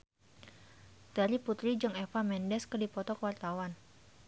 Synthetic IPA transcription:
t̪aɾiput̪ɾid͡ʒɨŋɛfamɛndɛskərdipɔt̪ɔkəwart̪awan

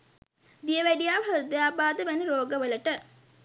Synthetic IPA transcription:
d̪ijəʋæɖijaːbʱɐɾud̪əjaːbaːd̪əʋænəɾoːɡəʋələʈə

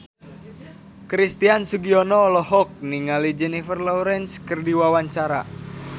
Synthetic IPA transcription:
kɾist̪iansuɡiɔnɔːlɔhɔk̚niŋalid͡ʒɛnifərlɔɾɛnskərdiwawaɲt͡ʃaɾa̰

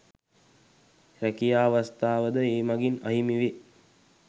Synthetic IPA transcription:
rækijaːʋast̪aːʋəd̪əeːmaɡinaɦimiʋe

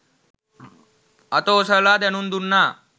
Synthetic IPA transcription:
ɐt̪oːsəlad̪enund̪unːa

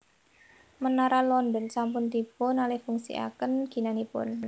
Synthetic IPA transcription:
mənaɾalɔnd̪ɔnsampʊnt̪ipʊnalɪhfuŋsḭa̰kənɡ̥i̤nanipʊ̰n

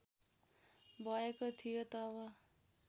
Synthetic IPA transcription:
bʱʌekot̪ʰijot̪ʌbʌ

